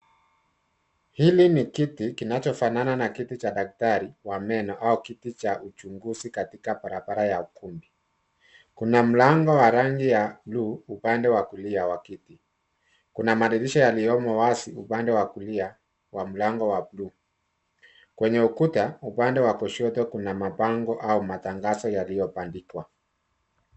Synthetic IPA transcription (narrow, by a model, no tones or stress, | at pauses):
hilinikitikinat͡ʃɔfanananakitit͡ʃaɗak̚taɾiwamɛnɔʔaukitit͡ʃaʔut͡ʃuŋɡuzikatikabaɾabaɾajaukumbi | kunam̩laŋɡɔwaɾaŋɡijabluːupandɛwakuliawakiti | kunamaɗiliʃɔjalijɔmɔwasiupandɛwakulia | wam̩laŋɡɔwabluː | kwɛɲɛukutaupandɛwakɔʃɔtɔkunamapaŋɡɔʔaumataŋɡasɔjalijɔpandikwa